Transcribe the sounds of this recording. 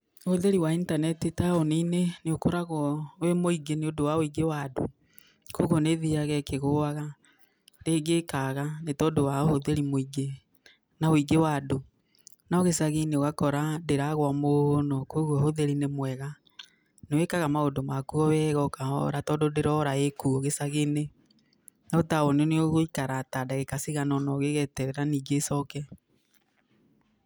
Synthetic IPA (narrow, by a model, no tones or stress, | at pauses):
hoðeɾiwaintanɛtitaɔnineneokoɾaɣwɔwemoiɡeneodowaoiɡewado̰ | koɣoneðiaɣɛkeɣoaɣa | deːɡekaɣanetɔdowahoðeɾimoiɡe | naoiɡewado | nɔɣesaɣeneoɣakɔɾadeɾaɣwamohonɔkoɣwɔhoðeɾinemwɛɣa | newekaɣamaodomakuɔβɛɣɔkaɔ̰ɾatɔdodeɾɔɾaekuɔɣesaɣene | naotaoneneoɣoikaɾatadaɣekasiɣanɔnɔɣeɣɛtɛɾɛɾaniːɡesɔkɛ